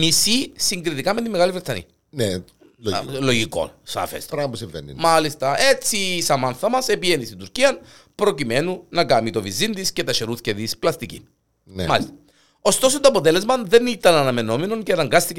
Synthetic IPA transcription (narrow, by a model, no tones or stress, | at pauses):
misisiŋɡɾit̪ikɐme̞t̪imːe̞ɣɐlivɾet̪sɐnḭ | ne | lo̞ʝiko̞̰nsɐ̰fḛst̪ɾɐposiɱvḛnːḭmɐlist̪ɐe̞t͡sisɐmɐnθɐmɐse̞pienist̪ind̪uɾciɐn | pɾo̞cime̞nunɐkɐmit̪o̞vizind̪isce̞t̪ɐʃeɾuθceðisplɐst̪icḭ | nemɐlist̪ɐ | o̞st̪o̞s̬ont̪oɐpo̞t̪ele̞zmɐnðe̞nit̪ɐnɐnɐme̞no̞meno̞ncenɐŋɡɐst̪ice